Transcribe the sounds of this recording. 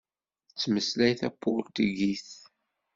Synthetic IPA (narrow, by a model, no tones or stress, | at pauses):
t͡sːməslæjθæpːʊlt̪iɡiθ